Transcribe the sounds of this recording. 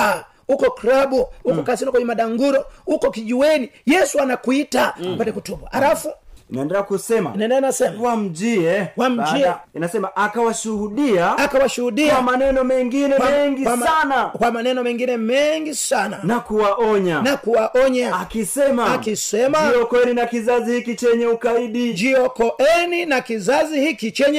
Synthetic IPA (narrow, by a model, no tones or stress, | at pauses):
ukɔkɾabuukɔkasinɔkɔɲimaɗaŋɡuɾɔukɔkid͡ʒiwɛnijɛsuanakuitapatɛkutubwaalafunaɛndɛɾakusɛma̰inaɛndɛanasɛmwam̩d͡ʒiɛwam̩d͡ʒiainasɛmaʔakawaʃuhudiaakawaʃuhuɗiamanɛnɔmɛŋɡinɛaɛɛŋɡikamanakwamanɛnɔmɛŋɡinɛmɛŋɡisana̰nakuwaʔɔɲanakuwaʔɔɲaakisɛmaakisɛmaɔkɔɛninakizazihikit͡ʃɛɲɛukaiɗid͡ʒiɔkɔʔɛninakizazihikit͡ʃɛɲɛ